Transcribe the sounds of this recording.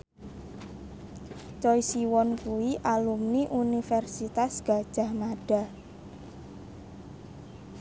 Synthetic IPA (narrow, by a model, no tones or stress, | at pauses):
t͡ʃɔjsiwɔnkuiʔalumniʔunifɛrsit̪asɡ̥a̤d̥ʒ̥a̤hmaɖ̥a̤